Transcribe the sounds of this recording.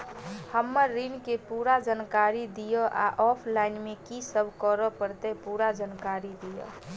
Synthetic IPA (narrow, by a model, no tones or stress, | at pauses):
həmːəɾːinkepuɾad͡ʒənkaɾid̪ijəʔa̰ʔɔpʰlaɪnmekisəbʱkəɾəpəɾt̪epuɾad͡ʒənkaɾid̪ijə̰